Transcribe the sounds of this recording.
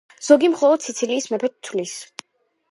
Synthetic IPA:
z̥ɔɡimχɔlˠɔd̪sit̪sʰiliːsmɛpʰɛt̪ʰːwlis

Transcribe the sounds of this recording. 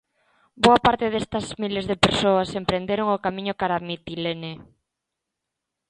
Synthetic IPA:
boɐpaɾt̪eðest̪ɐzmilezðepeɾsoɐsempɾend̪eɾoŋokamĩɲokaɾamit̪ilene

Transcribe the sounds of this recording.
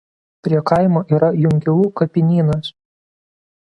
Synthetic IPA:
pʲɾʲiɛkɐˑɪmoːʔiːɾɐjʊŋʲkʲʊlˠuːkɐpʲɪnʲiːnɐs

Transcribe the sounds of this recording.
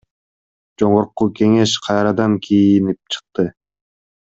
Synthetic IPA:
d͡ʒo̞ɴoɾquke̞ŋe̞ʃqʰɑjɾɑd̪ɑŋkʲʰijinip̚t͡ʃʰɯ̥q̚t̪ɯ

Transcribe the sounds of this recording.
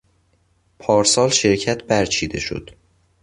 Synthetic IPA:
pʰɒːɾsɒːlʃe̞ɾcʰæt̪ʰbæɾt͡ʃʰiːd̪e̞ʃo̞̰d̪̥

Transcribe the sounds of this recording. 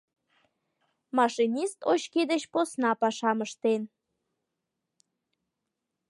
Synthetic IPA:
mɑʃinʲist̪oɕked̪et͡ɕposnɑpɑʃɑməʃt̪en

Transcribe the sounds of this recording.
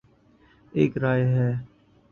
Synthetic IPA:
eːkɾaːeɦɛː

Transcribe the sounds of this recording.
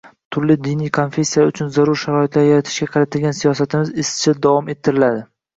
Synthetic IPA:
t̪ʰʊɾlɪd̪ɪnijkʰo̞nfʲe̞sːijaʊt͡ʃʰʊnzaɾʊɾʃaɾɒɪt̪laɾjaɾat̪ʰɪ̥ʃkʲaqʰɑɾat̪ʰɪlʲɡʲansijɒsat̪ʰɪmɪzɪst͡ʃʰɪd̪avɒme̞t̪ʰːɪɾɪlad̪ɪ

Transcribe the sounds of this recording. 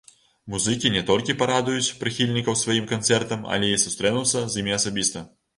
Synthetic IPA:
muzɨkʲinʲɛt̪ɔlʲkʲipaɾad̪ujut͡sʲpɾɨxʲilʲnʲikɐwsvajimkant̪sɛrt̪ɐmɐ̰lʲɛisust̪ɾɛnuwsʲɐzimʲiɐsabʲist̪ɐ

